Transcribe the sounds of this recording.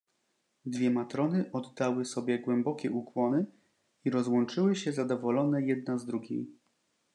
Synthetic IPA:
d̪vʲjɛmat̪ɾɔnɘʔɔd̪ːawɘsɔbʲjɛɡwɛmbɔkʲɛʔukwɔnɘ | iɾɔzwɔnt͡ʂɘwɘɕɛzad̪ɔvɔlɔnɛjɛd̪̚nazd̪ɾuɡʲḛj

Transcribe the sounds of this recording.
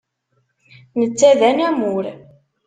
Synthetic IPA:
nət͡sːæðænæmʊɾ

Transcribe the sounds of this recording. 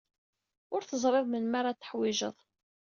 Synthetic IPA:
ʊɾθəzˤɾˤɪðmənmaɾat̪ːə̥ħwɪʒəðˤ

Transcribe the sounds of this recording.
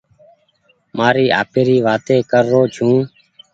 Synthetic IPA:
maːɾiːʔa̰ːpeːɾiːʋaːt̪eːkəɾːoːt͡ʃʰũː

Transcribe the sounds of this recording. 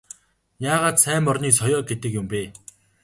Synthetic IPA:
ɲaːʁaːt̪sʰæːmɔrniːsɔjɔːɡet̪ɘ̆kjʊmpeː

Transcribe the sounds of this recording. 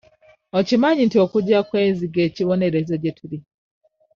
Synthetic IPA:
ocimaɲintio̞kuɟakwe̞ːnziɡe̞ːciβo̞ne̞ɾe̞zoɟetʰuli

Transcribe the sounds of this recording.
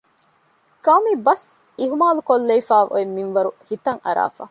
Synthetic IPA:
kɐwmibɐs | iɦumaːlukolːeifaːʋʔo̰emːinʋɐɾuhit̪ɐŋɐɾa̰ːfa̰ː

